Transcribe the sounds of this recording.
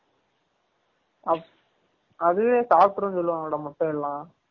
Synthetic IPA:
ɐ | ɐðɯʋeːsaːpʈɯɾɐ̃nsɔlːɯʋaŋɔːɽɐmɐʈːɔ̃ɪlːãː

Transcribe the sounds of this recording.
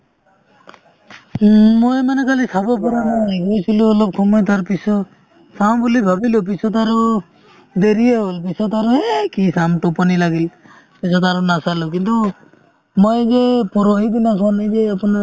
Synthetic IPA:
mojmanekalisabɔpɔɾanaiɡojsiluɔlɔb̚kʰɔmɔjt̪aɾpisɔ | sambulibʱabilup̬isɔt̪̬aɾu | d̪eɾieɦɔlp̬isɔt̪aɾuekisamʈɔpɔnilaɡil | pisɔt̪aɾunasaluk̬int̪u | mojzepɔɾoɦid̪inakʰɔanijzeapɔna

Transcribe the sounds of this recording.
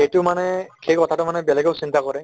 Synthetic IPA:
ejtʊmanɛxʰejkɔtʰatʊmanɛbɛlɛɡeʊsintakɔɹɛ

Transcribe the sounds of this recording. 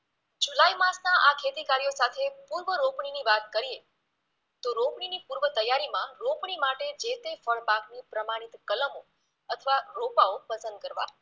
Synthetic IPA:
d͡ʒulaimasnaʔakʰet̪ikaɾijosat̪ʰepuɾʋəɾopɳiniʋat̪kəɾie | t̪oɾopɳ̃inipuɾʋət̪əjːaɾimãɾopɳ̃imaʈed͡ʒet̪efəɭbaknipɾəmaɽ̃it̪kələmo | ət̪ʰəʋaɾopaopəsənd̪̚kəɾʋa̰

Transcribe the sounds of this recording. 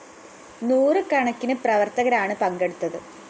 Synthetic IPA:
nuːrɨkɐɳɐkʲːinɨprɐʋɐrt̪ɐɣɐɾaːɳɨpɐŋɡe̞ɽut̪ːɐðɨ

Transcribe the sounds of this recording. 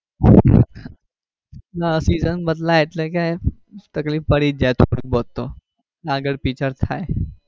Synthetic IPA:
nasizənbəd̪laeʈ̪lẽkaj | t̪əkliːpəɽiːt̪̚d͡ʑajt̪ʰoɽukbot̪o | laɡəɽpit͡ɕəɾt̪ʰa̰j

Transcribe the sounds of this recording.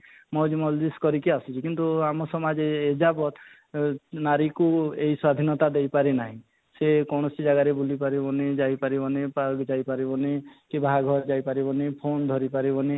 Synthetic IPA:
mɔd͡ʒmɔld̪iskɔɾikiasit͡ʃʰikint̪uamɔsɔmad͡ʒeːd͡ʒapɔt̪ | naɾikuejswad̪ʱinɔt̪ad̪ejpaɾenaɦĩ | sekɔɳ̃ɔsid͡ʒaɡaɾebulipaɾibɔned͡ʒajpaɾibɔnepaɾɡd͡ʒajpaɾibɔnekibʱaaɡʱɔɾd͡ʒajpaɾibɔnepʰond̪ʱɔɾipaɾibɔne

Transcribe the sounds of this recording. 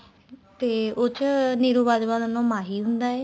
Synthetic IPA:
t̪eːot͡ʃniːɾuːʋaːd̪ʋaːd̪ənõːmaːɦiːɦʊnd̪aːɛː

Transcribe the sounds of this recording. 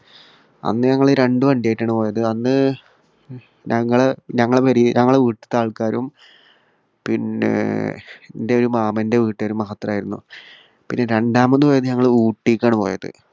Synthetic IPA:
ɐ̰nːɨɲɐŋːɐɭɾe̞ɳɖɨpɐɳɖeːjʈːaːɳɨpo̞ːjɐðɨɐnːɨ | ɲɐŋːɐɭeɲɐŋːɐɭeʋɐɾiɲɐŋːɐɭeʋiːʈːɨ̥t̪aːɭkaːɾum | pinːḛ | nde̞o̞ɾumaːmɐnde̞ʋiːʈːɨoɾumɐɦɐt̪ːrɐaːjiɾunːṵ | pinːe̞ɾe̞ɳɖaːmonːɨpoːjɐðɨɲɐŋːɐɭuːʈːikʲːaːɳɨpo̞ːjɐ̰ðɨ̰

